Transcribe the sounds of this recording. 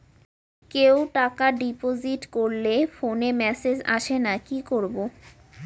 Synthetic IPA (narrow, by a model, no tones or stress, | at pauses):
kewʈakaɖipoziʈkoɾlefonemɛsed͡ʑa̰ʃenakikoɾbo